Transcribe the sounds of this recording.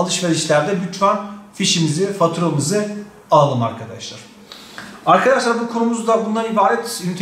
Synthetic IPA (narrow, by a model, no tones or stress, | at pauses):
lˠɯʃveɾiʃlʲæɾd̪ɛbyt͡ʃmanfiʃimizifat̪ʰuɾamɯzɯ | aːlˠɯma̰ɾkʰad̪aʃlˠaɾ̥ | aɾkʰad̪aʃlˠaɾbukʰo̞numuzd̪abund̪anibaːɾɛt̪ynyt̪ʰ